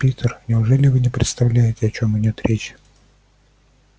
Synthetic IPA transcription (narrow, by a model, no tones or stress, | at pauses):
pʲit̪ʲərnʲɪʊʐɛlʲɪvɨnʲɪpɾʲɪ̰t̪st̪ɐvlʲæjɪtʲɪɐt͡ɕomɪdʲot̪ɾʲʔet͡ɕ